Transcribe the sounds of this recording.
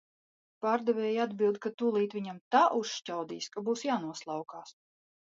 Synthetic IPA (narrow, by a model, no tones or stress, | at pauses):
paːɾd̪ɛvʲɛːjad̪bʲilˠd̪kat̪ulˠiːt̪ʋʲiɲamt̪aʔuʃcawd̪ḭːskabuːsjaːnuɔslˠawkaːs